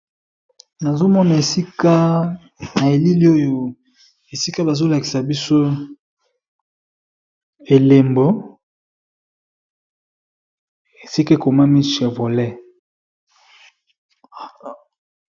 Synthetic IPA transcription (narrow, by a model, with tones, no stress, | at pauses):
na˨zo˦mɔ˦na˨e˨si˦ka˦ | na˨e˨li˦li˦o˦jo˨ | e˨si˦ka˦ba˨zo˦la˨ki̥˨sa˨bi˦so˦ | e˨le˨mbo˨ | e˨si˦kko˨ma˦mi˦ʃe˨vo˨lɛ˦